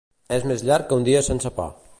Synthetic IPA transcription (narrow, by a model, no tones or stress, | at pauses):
ɛzmezʎaɾkkːəund̪iəsensəpɔ̰